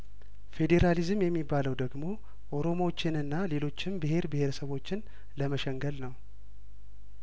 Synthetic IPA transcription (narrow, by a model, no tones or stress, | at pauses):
fe̞d̪e̞ɾalizɨmjɛmːibːaləwd̪əɡmo̞ | ʔo̞ɾo̞mot͡ʃːɪnɨnːale̞lo̞t͡ʃːɪmbɨɦe̞ɾbɨhe̞ɾəsəβo̞t͡ʃːɪn | ləməʃɛŋɡəlnəw